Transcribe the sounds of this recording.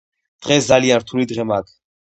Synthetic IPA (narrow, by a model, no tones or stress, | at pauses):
d̪̥ʁɛsd̪zalianɾt̪ʰulid̪ʁɛmaːkʰ